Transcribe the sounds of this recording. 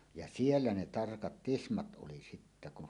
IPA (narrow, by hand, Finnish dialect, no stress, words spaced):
jɑ sielːæ ne tɑrkɑt tismɑt ʔoli sitːæ kuh